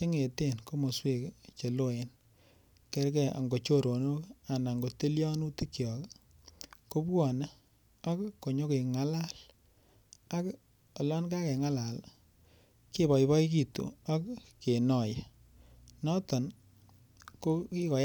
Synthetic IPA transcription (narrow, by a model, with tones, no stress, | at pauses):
ke˦ŋe˨te˦˨nko˦mo˨swe˦˨kt͡ʃe˨lo˦e˨n | ke˦ɾkɛ˦a̰˨ŋɡo˨t͡ʃo˦ɾo˨nu˦ka˨na˨ŋɡo˨te˦ljɔ˦nu˦ti˦kjɔ˨k | ko˦pwɔ˨na˦ | a˦kkːo˨ɲo˦ke˨ŋa˦la˦l | a˦k | ɔ˨lɔ˦nka˦kɛ˨ŋa˦la˨l | ki˦βɔ˨iβɔ˦i˦ki˨tṵ˨a˦kke˨nɔ˨je˨ | nɔ˦tɔ˨n | ko˦ki˦kɔ˨